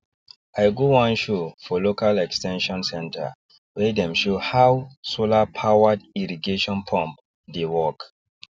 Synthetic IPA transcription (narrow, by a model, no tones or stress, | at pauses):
ajɡowãnʃofɔlokalɛkstɛ̃nʃɔ̃nsɛ̃ntʰa̰ | wedɛ̃mʃohawsolapʰawadiɹiɡeʃɔ̃npʰɔ̃mp | dewɔk